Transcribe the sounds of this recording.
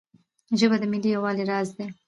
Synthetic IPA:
ʒəbad̪əmɪlijawɑleɾɑzd̪e

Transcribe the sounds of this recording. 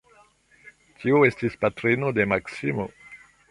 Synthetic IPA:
tʰiue̞stispatɾino̞de̞maksimo̞̰

